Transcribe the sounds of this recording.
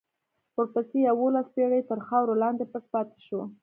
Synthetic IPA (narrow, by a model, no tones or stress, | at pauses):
əɾpəsejawolaspeɽəjt̪əɾxɑwɾolɑnd̪epəspɑt̪e̥ʃo